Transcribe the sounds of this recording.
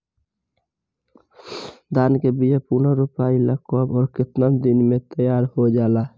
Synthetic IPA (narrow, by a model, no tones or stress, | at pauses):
d̪aːnkebijapuːnaɾʊpaːiləkoːbɔːɾkɪt̪nəd̪ɪnmẽt̪əjaːɾhod͡ʒaːlaː